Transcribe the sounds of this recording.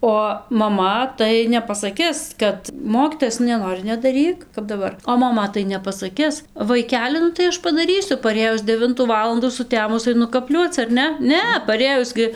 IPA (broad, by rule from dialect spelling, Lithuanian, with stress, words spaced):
oː mɐˈmɐ tɐɪ nʲɛpɐsɐˈkʲɪs ˈkɐt ˈmoːkʲiːtoːjɛs nʊ nʲɛˈnoːrʲɪ nʲɛdɐˈrʲiːk kɐp dɐˈbɐr oː mɐˈmɐ tɐɪ nʲɛpɐsɐˈkʲɪs ʋɐɪˈkʲæːlʲɪ nʊ tɐɪ ˈɐʃ pɐdɐˈrʲiːsʲʊ pɐˈrʲeːjʊs dʲɛˈʋʲɪntuː ˈʋɑːlˠɐnduː sʊˈtʲæːmʊs ɐɪˈnʊ kɐˈpʲlʲuɔt͡s ɐr ˈnʲɛ ˈnʲɛ pɐˈrʲeːjʊs ɡʲɪ